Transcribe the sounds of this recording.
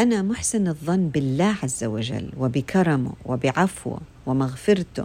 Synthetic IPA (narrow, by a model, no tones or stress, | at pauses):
ʔanamʊħsɪnɨðˤːɑnːbɪlːaːʕazːawad͡ʒa̰lːwɪbɪkʰɑɾˤɑmʊ̰wɪbɪʕafwʊ̰ | wɪmaɣfɪɾt̪ʊ̰